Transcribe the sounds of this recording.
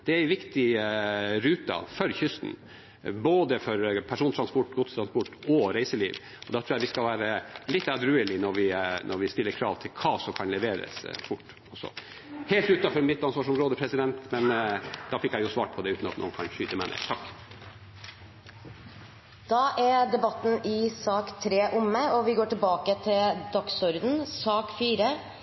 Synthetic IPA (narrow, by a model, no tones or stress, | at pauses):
d̪̥ɛæɪʋɪkt̪ɪ | ɾʉːt̪ɑ̰fɔɾçʏst̪n̩ | boːd̪əfɔɾpʰæʂuːnt̪ʰɾɑnspɔʈːɡʊt̪t̪ɾɑnspɔʈːɔɾæɪsəlḭːʋ | ɔd̪ɑt̪ʰɾuːæʋɪskɑlʋæːɾəlɪt̪ːɑd̪ɾʉːəlɪnɔɾʋɪnʔɔɾʋɪst̪ɪlːəɾkʰɾɑ̰ːʋt̪ʰɪlkʰɑːsɔkʰɑnlɛʋeːɾə̰sfʊʈː | ɔsɔ̰ | heːlt̪ʉːt̪ɑfɔɾmɪt̪lɑnsʋɑʂɔmɾoːd̪əpʰɾɛsɪd̪ɛnt̪mɛnd̪̥ɑfɪkːjæɪjʊsʋɑ̰ːʈ̚pʰɔd̪ɛʉːt̪n̩ɑt̪no̰ːnkʰɑnʃyːt̪əmæɪnḛːt̪ʰɑkː | d̪̥ɑːʔæɾɖ̪ɛbɑt̪ːn̩ɪsɑːkt̪ʰɾeːʔʊmːəɔʋɪɡoːʈɪlbɑːkət̪ʰɪld̪ɑksɔɾd̪n̩sɑːkfiːɾə